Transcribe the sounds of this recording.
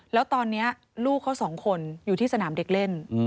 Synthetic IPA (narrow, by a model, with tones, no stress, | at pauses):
lɛː˦˥wt̪ɔː˧nːi˦˥ɐ | luː˥˩kʰːa˦˥wsɔː˩˦ŋkʰo˧njuː˨˩t̪ʰiː˥˩sa˧naː˩˦mde˨˦˥k̚le˥˩n